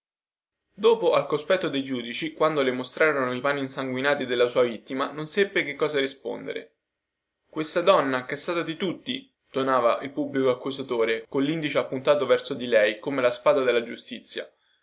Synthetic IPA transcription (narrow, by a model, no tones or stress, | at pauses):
d̪oːpoʔalkospɛt̪ːod̪ejd͡ʒuːd̪it͡ʃikwand̪olemost̪ɾaːɾonoipaːnːiːnsaŋɡwinaːt̪id̪elːasuːavit̪ːimanonsepːek̟ekːɔːzaɾispo̰nd̪ḛɾḛ | kwest̪ad̪ɔnːakɛst̪aːt̪ad̪it̪ut̪ːi | d̪̥onaːvaʔilpubːlikoakːuzat̪oːɾekonlːind̪it͡ʃeapːunt̪aːt̪ovɛrsod̪ilɛjkomelaspaːd̪ad̪elːad͡ʒust̪it̪sːja̰